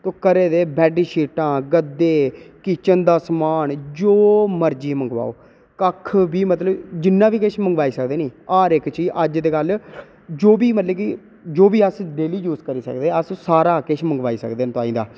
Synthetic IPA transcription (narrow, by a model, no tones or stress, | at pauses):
t̪oːkəɾeːd̪eːbɛːɖiːʃiːʈãːɡəd̪eːkɪt͡ʃənd̪aːsmaːnd͡ʒoːməɾd͡ʒiːməŋɡʋa̰ːo̰ː | kəkʰbiːmət̪ləbd͡ʒɪnːãːʋiːkɪʃʰməŋɡʋaːiːsəkd̪eːniːaːɾɪkt͡ʃiːd͡ʒʔəd͡ʒd̪eːɡəl | d͡ʒoːbiːmət̪ləbkɪ | d͡ʒoːbiːəsɖeːliːjuːzkəɾiːsə̰kd̪eːəssaːɾaːkɪʃʰməŋɡʋaːiːsə̰kd̪eːnt̪oaːĩːd̪a̰ː